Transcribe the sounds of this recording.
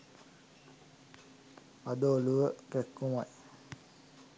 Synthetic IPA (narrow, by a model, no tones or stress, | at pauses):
ad̪oːluʋəkɛkːumaj